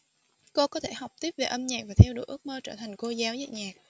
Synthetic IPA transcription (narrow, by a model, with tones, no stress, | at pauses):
ko˧kɔ˨˦t̪ʰe˧˩ha˨˩wk͡p̚t̪i˦˥əp̚ve˨˩ʔə˧mɲaː˨˩k̚vaː˨˩t̪ʰɛ˧wɗṵ˧˩˦jʔɨ˦˥ək̚məː˧t͡ɕəː˧˩t̪ʰa˨˩jŋ̟ko˧zaː˨˦wzə̰ː˧˨ɲaː˨˩k̚